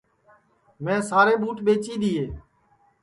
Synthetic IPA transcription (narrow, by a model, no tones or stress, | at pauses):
mɛ̃ːsaːɾeːɓuːʈɓeːt͡ʃiːd̪iːeː